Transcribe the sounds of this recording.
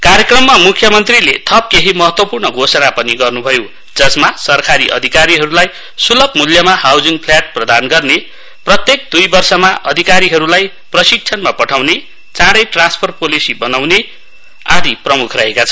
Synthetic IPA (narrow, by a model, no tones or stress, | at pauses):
kaɾjekrʌmːamukʰjʌmʌnt̪rilet̪ʰʌp̚keɦimʌɦʌt̪wʌpurnʌɡʱosʌnapʌniɡʌrnubʱʌjo | d͡zʌsmasʌrkaɾiʔʌ̰d̪ʱikaɾiɦʌɾulaj | sulʌbmuljʌmaɦawd͡ziŋpʰljaʈ̚prʌd̪anɡʌrne | prʌt̪jek̚d̪ujbʌrsʌmaʔʌd̪ʱikaɾiɦʌɾulaj | prʌsik̚t͡sʰʌnmapʌʈʰawne | t͡sãɽʌjʈrãnspʰʌrpolisibʌnawne | ad̪iprʌmukʰrʌɦekat͡sʰʌ